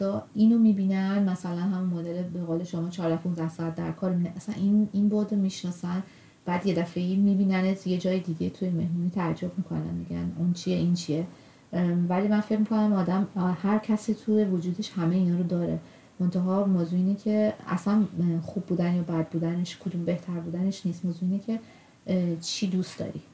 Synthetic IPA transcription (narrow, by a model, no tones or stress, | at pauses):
ɒinomibiːnænmæsælænhæmunmoːd̪elebeɣoːle̞ʃomɒːt͡ʃʰɒːɾd̪æhpʰũnzd̪æhsɒæt̪̚d̪æ̰ɾkʰɒɾmineʔæsænininbod̪omiʃnɒːsæn | b̥æd̪je̞d̪æfe̞imibiːnænet̪ʰje̞d͡ʒɒːjed̪iɟet̪ʰujeme̞hmuniːt̪ʰææd͡ʒːobmikʰo̞̰næ̰nmeɟæ̰nunt͡ʃʰieʔint͡ʃʰie | vælimænfe̞cmikʰo̞næmɒːd̪æmhæɾcʰæsit̪ʰujevod͡ʒuːd̪eʃhæmeiːnɒːɾod̪ɒːɾḛ | mo̞nt̪ʰæɦɒːmoːzuiːnecʰe̞æ̰sænxubːuːd̪ænjɒːbæd̪̚buːd̪æneʃkʰod̪umbe̞ht̪ʰæɾbuːd̪æneʃniːst̪moːzuiːnecʰe̞ | t͡ʃʰiːd̪ust̪d̪ɒ̰ːɾi